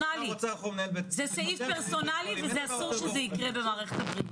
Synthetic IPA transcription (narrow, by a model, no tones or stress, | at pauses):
aliaonɛzɛsaifpeʁsonalivezɛasuʁʃezɛikʁɛbemaːʁɛχet̪ɐbʁi